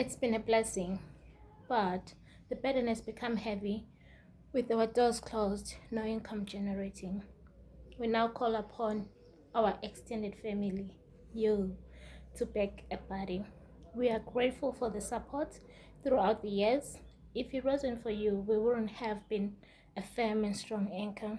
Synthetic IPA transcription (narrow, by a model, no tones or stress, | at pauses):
itsb̥ĩnɛblɛsɪ̃ŋ | b̥at | ðəbɛɾənɛsb̥ikʰãmhɛvi | wiθawədɔz̥kʰl̥ozdnoĩnkʰãmd͡ʒɛnɛɹetʰĩŋ | winawkʰɔlapʰɔ̃n | awəʔɛkstʰɛ̃ndɛd̥fɛmili | ju | tʰubɛkɛbaɾi | wiaɡɹetfulfɔðəsapʰɔt | θɹuawt̚ðəjiz | ifhiɹizə̃nfɔjuwiwʊd̃nthɛvbĩn | əfɛmɛ̃nstɹ̥ɔ̃ŋɛ̃ŋkʰə